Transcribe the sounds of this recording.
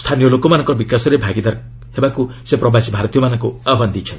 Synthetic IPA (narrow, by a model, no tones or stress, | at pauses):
st̪ʰanijɔlokɔmanɔ̃ŋkɔɾɔbikasɔɾebʱaɡid̪aɾ | hebakusepɾɔbasibʱaɾɔt̪ijɔmanɔŋkuaand̪ijt͡ʃʰɔn